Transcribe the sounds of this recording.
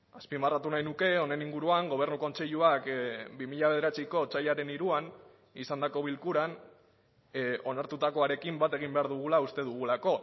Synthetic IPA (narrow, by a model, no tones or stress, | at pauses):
aspimarat̪unajnuke̞o̞ne̞niŋɡuɾuaŋɡo̞β̞e̞ɾnuko̞nt͡se̞ʎuakbimiʎaβe̞ð̞e̞ɾat͡siko̞t͡saʎaɾe̞niɾuan | isand̪ako̞βilkuɾan | o̞naɾt̪ut̪ako̞aɾe̞kimbat̪e̞ɣ̞imbe̞aɾðuɣ̞ulaust̪e̞ðuɣ̞ulako̞